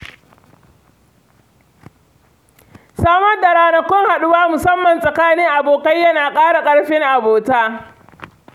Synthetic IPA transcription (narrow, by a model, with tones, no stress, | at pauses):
saː˦mɐ˦rda˨ɾaː˨˦nɐ˦kʷːɔ˦ŋha˨ɗʊ˦waː˦mʊ˨sɐ˦mːɐ˨nsʼɐ˨kaː˦nɪ˦ŋʔa˨boː˨kɐ˦jːɐ˦naː˨kʼaː˦ɽa˨kʼɐ˦ɽɸɪ˦ŋʔa˨boː˨taː˦